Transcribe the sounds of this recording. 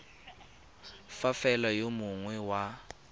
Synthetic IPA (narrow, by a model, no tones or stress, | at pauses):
fafɛlajomuŋwɛwa